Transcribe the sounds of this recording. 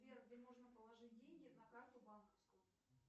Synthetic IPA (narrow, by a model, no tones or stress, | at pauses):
vʲerɡdʲemo̞ʐnəpəlˠɐʐɨt̚ʲdʲenʲɡʲɪɐd̪nɐkɾat̪ʲʊbankəfskʊjʊ